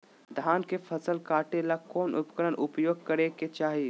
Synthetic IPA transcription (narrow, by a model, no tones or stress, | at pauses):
d̪ʱaːnkefʰɐsəlkaːʈelakɔːnʔʊ̰pkəɾənʔʊpjoːɡ̚kəɾeket͡ʃaːɦi